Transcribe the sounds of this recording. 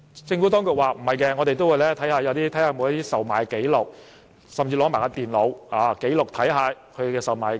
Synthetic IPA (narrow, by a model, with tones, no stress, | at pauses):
t͡sɪ˧ŋfu˨˥t̪ɔː˥ŋkʊ˨k̚waː˨m̩˨˩hɐ˨jkɛː˧ŋɔː˨˧t̪e˨jt̪o˥wu˨˧jlɛː˥t̪ʰɐ˨˥jhaː˧jɐ˨˧wt̪iː˥t̪ʰjhaː˧mo˨˧jɐ˥t̪iː˥sɐ˨wmaː˨˦ke˨˥jlʊ˨k̚ | sɐ˨mt͡siː˧lɔː˨˧˥maː˨˩jkaː˧t̪iː˨˩nlo˨˧whaː˨˧ke˨˥jlʊ˨k̚t̪ʰɐ˨˥jɦaː˨˧kʰɵ˧e˨˩kɛ˧sɐ˨wmaː˨˥j